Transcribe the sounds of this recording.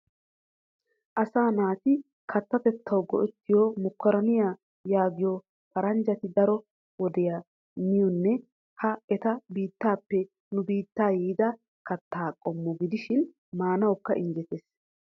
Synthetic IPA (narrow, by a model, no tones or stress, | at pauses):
ʔɐsaːnaːt̪ɪ | kʰɐt̪ːɐt̪ɛt̪ʰːɐwɡɔ̰ʔɛt̪ːɪjomʊkːɐɾɐnɪjaː | jaːɡɪjɔ | fɐɾɐnd͡ʒɐt̪ɪd̪ɐɾɔ | wɔd̪ɛja | mɪjɔnːɛ | hɐɛt̪ɐbiːt̪ːaːpːɛ | nʊbiːt̪ːaːjiːd̪ɐ | kɐt̪ːaːkʼɔmːɔɡɪd̪ɪʃɪn | maːnɐwkːɐʔɪnd͡ʒɛt̪eːs